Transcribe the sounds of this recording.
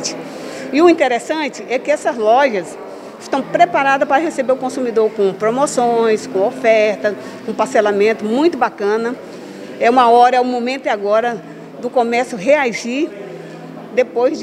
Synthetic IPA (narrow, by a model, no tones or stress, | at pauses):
t͡ʃɪ̥ | ɪʊĩnt̪eɾesɐ̃t͡ʃɪʔɛkɪɛsɐzlɔʒɐs | ɪʃt̪ɐ̃w̃pɾepaɾad̪ɐspaɾɐɦesebeʊkõsũmid̪oɾkõpɾomosõj̃skõofɛɾt̪ɐ | kõpaselamẽnt̪ʊmũj̃t̪ʊbakɐ̃nɐ | ɛũmɐɔɾɐɛũmõmẽnt̪ʊɪaɡɔɾɐ | d̪ʊkõmɛsʊɦeaʒi | d̪epojzd͡ʒ